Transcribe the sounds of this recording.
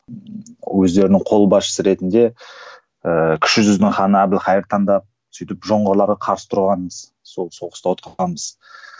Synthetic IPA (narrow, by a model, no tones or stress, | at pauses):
wɵzd̪e̞ɾɪnɪɴqʰo̞lˠbɑsʃə̥səɾe̞t̪ɪnd̪e̞ | əkʲʰʏ̥ʃɪʒʏznɪŋχɑnəæbɪlχɑjəɾt̪ʰɑɴd̪ɑp̚ | sʏjt̪ɪpʒo̞ɴʁəɾlˠɑɾʁɑqʰɑɾsə̥t̪ʰʊɾʁɑnməz | solˠsoqʰəst̪ɑwot̪̚qɑɑnməz̥